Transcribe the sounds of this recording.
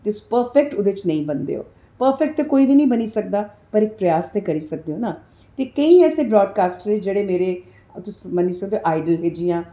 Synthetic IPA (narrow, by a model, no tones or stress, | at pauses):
t̪ɪspəɾpʰɛk̚ʈʊd̪eːt͡ʃnə̃ĩːbənd̪ḛːɦo̰ː | pəɾfɛk̚ʈt̪ekoːiːbiːnəĩːbəniːsək̚d̪aː | pəɾɪk̚pɾəjaːst̪eːkəɾiːsək̚d̪eːoːnaː | t̪eːkəĩːɛːseːbɾɔːɖkaːsʈəɾeːd͡ʒeːɽeːmeːɾeː | t̪ʊsməniːsəkd̪eoʔaːɪɖəlɦeːd͡ʒiːãː